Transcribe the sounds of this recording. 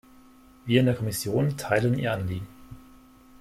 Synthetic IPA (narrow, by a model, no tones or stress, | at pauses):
viːɐɪndeːɐkʰɔmɪsjoːntʰaɪləniːɐanliːɡŋ̩